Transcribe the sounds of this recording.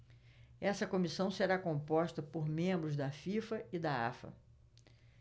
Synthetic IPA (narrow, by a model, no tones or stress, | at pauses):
ɛsɐkomisɐ̃w̃seɾakõpɔʃt̪ɐpoɾmẽmbɾʊzd̪ɐfifɐɪd̪ɐa̰fɐ̰